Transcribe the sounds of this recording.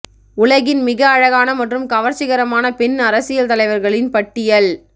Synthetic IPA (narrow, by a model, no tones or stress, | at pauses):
ʊɭɐɣɪnmɪɣɐːɻɐɣaːnɐmɐʈrɯmkɐʋɐɾt͡ʃɪɣɐɾɐmaːnɐpɛnɐɾɐsɪjɐlt̪ɐlɐɪʋɐɾɣɐɭɪnpɐʈːɪjɐɭ